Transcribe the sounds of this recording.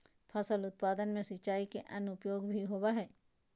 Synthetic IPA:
pʰɐsəlʊt̪̚paːd̪ənmẽsɪt͡ʃaːikeʔɐnʊpjoːɡbʱiɦoːbaɦɛː

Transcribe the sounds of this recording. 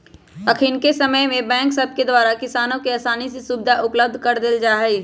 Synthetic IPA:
ɐkʰinkesɐməjmẽbɛ̃ːŋksɐb̚ked̪waːɾakɪsaːnõkiɐːsaːnisesuːbɪd̪ʱaʔʊpləb̚d̪ʱkɐɾd̪eld͡ʒaːɦɛi

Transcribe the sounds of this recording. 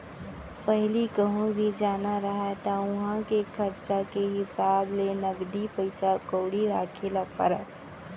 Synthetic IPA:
pəɦlikəɦũbʱid͡ʒaːnaɾɐɦat̪aʊɦãkekʰɐɾt͡ʃakeɦɪsaːblenɐɡd̪ipəɪsakoːɽiɾaːkʰelapə̰ɾə̰k

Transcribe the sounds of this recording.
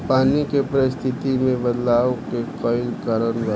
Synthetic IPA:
paːnikepəɾɪst̪ʰɪt̪imẽbɐd̪laːokekɔːɪlkəɾənʋə

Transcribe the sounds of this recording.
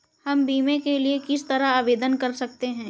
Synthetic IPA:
hɐmbiːmẽkeliekɪst̪ɐɾaaːʋeːd̪ənkɐɾsɐk̚t̪eɦɛ̃ː

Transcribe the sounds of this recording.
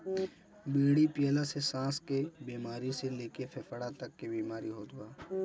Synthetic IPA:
biːɽipjəːlasesãːskebiːmaːɾiseleːkefʰefəɽat̪ɐkːebiːmaːɾiɦoːd̪ʊaː

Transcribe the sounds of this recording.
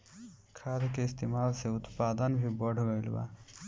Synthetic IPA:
kʰad̪keist̪emaːlseʊt̪paːd̪ənbʱibəɽɡəjlba̰

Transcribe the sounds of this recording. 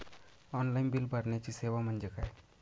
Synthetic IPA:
ɔnlainbilbəɾnjat͡ɕiːseʋam̤ənd͡ʑekʰaj

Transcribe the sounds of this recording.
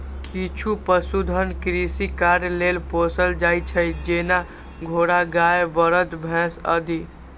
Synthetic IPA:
kit͡ʃʰupəsud̪ʱənkɾisikaɾjlelposəld͡ʒajt͡ʃʰəjd͡ʒena | ɡʱoɾaɡajebəɾət̪bʱɛ̃sə̰d̪ʱi

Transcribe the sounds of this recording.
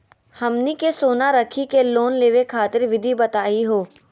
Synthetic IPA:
hɐmnikesoːnaɾɐkʰikeloːnleːʋekʰaːt̪ɪɾʋɪd̪ʱibɐt̪aːiɦoː

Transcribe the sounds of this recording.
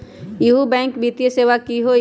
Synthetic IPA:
juɦubɛ̃ːŋkbʱit̪ijəseːʋakiɦo

